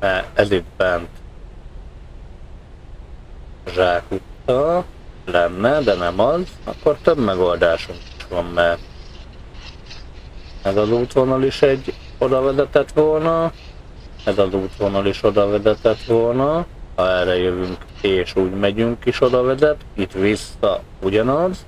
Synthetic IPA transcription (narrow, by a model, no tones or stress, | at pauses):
mɛɛzid̪̚bɛnt̪ | ʒaːkut̪ːɒlɛnːɛd̪ɛnɛmɒzɒ̰kːo̞rt̪øbmɛɡo̞ld̪aːʃuŋki̥ʃʋɒmːɛ | ɛzɒzuːt̪vonɒliʃɛɟː | o̞d̪ɒvɛzɛt̪ɛt̪ʋo̞lnɒ | ɛzɒzuːt̪ʋo̞nɒliʃo̞d̪ɒvɛzɛt̪ɛt̪ʋo̞lnɒhɒɛrɛjøvyŋk | eːʃuːɟmɛɟyŋkiʃo̞d̪ɒvɛzɛt̪it̪ʋisːɒ | uɟɒnɒz